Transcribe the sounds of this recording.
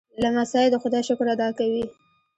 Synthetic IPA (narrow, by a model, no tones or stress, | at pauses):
lamasɑjɪd̪əxʊd̪ɑjʃʊkɾad̪ɑkawi